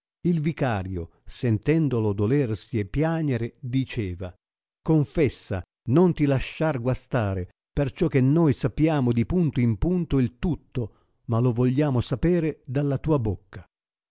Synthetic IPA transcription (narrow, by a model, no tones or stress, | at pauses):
ilvikaːɾjo | sɛnt̪ɛnd̪olod̪olɛrsiepːjaːɲeɾed̪it͡ʃɛːva | koɱfɛsːa̰ | nont̪ilaʃːarɡwast̪aːɾe | pert͡ʃɔk̟ːenːojsapːjaːmod̪ipunt̪oimpunt̪oilt̪ut̪ːo | malovɔʎːaːmosapɛːɾed̪alːat̪uːabokːa